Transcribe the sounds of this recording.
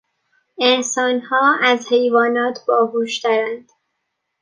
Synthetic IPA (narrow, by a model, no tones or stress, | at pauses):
ensɒːnhɒːæzhe̞jvɒːnɒːt̪ʰbɒːhuːʃt̪ʰæɾænd̪̥